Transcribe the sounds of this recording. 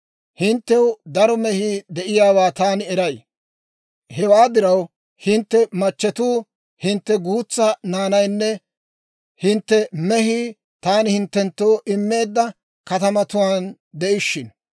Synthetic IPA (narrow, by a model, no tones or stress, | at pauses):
hɪnt̪ːɛwʊd̪ɐɾɔmɛhɪd̪ɛʔɪjaːwaːt̪aːnɪɛɾɐj | hɛwaːd̪ɪɾɐw | hɪnt̪ːɛmɐt͡ʃːɛt̪uː | hɪnt̪ːɛɡuːt͡sːɐnaːnɐjnːɛ | hɪnt̪ːɛmɛɦɪ | t̪aːnɪhɪnt̪ːɛnt̪ːoːʔɪmːe̞ːd̪ːɐ | kɐt̪ɐmɐt̪ʊwaːn | d̪ɛʔɪʃːɪn